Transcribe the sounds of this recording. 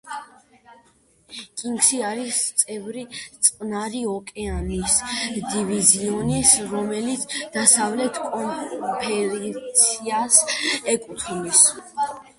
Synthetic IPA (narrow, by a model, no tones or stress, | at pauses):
kʼiŋɡʃiaɾist̪sʼɛvɾit̪sʼqʼnaɾiɔkʼɛanisd̪iviziɔnisɾɔmɛlit̪sʰd̪̥asavlɛt̪ʰkʼɔpʰɛɾisʰiasɛkʼut̪ʰunis